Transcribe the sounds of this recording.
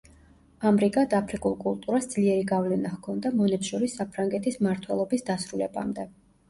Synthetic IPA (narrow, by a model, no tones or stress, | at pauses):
amɾikʼad̪apʰɾikʼulˠkʼulˠt̪ʼuɾasd̪z̥liɛɾiɡavlɛnahkʰɔnd̪amɔnɛpsʃɔɾisːapʰɾaŋɡɛt̪ʰismaɾt̪ʰwɛlˠɔbisd̪asɾulɛba̰md̪ɛ